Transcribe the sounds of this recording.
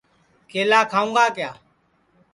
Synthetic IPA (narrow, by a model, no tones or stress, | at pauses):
kʰeːlaːkʰaːũːŋɡaːkɪjaː